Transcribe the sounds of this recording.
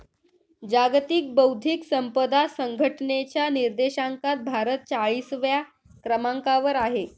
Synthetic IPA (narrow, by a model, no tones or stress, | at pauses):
d͡ʑaɡt̪iːk̚bəwd̪ʱiksəmpəd̪asəŋɡʱəʈnet͡ɕjaniɾd̪eɕaŋkat̪̚bʱaɾət̪̚t͡saɭiːsʋja | kɾəmaŋkaʋəɾaɦe